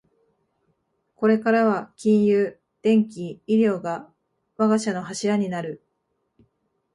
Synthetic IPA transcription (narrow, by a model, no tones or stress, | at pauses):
ko̞ɾe̞kaɾaβ̞akʲĩɰ̃jɯː | d̪̥ẽ̞ŋkʲiiɾʲo̞ːɡa | βaɡaɕano̞ɦaɕiɾaɲ̟inaɾɯ̟